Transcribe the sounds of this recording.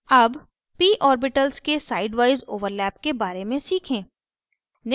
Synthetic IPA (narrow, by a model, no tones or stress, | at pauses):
ɐb | piːʔɔːɾbɪʈəlskesaːɪɖʋaːɪzoːʋəɾlɛːp̚kebaːɾemẽsiːkʰẽː | nɪ